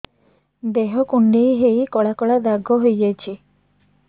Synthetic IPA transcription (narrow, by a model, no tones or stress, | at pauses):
d̪eɦɔkuɳɖejɦejkɔɭakɔɭad̪aɡɔɦojet͡ʃʰi